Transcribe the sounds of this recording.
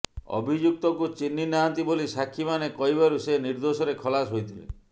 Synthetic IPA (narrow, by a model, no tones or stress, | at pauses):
ɔ̰bʱid͡ʒuk̚t̪ɔkut͡ʃinːinaɦɔnt̪ibolisakʰːimanekɔɦiβaɾuseniɾd̪osɔɾekʰɔlasɦojt̪ʰilḛ